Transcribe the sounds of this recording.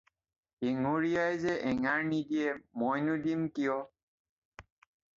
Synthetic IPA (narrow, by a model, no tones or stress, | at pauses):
iŋuɹijajzɛʔɛŋaɹnidiɛmɔjnudimkijɔ